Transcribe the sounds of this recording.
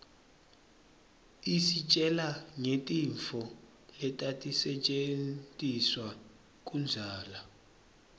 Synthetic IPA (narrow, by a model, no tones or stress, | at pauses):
isit͡ʃʼɛlaŋetʼiɱfɔ | lɛtʼatʼisɛt͡ʃʼent͡sʼiswa | kʼund͡zʱaːla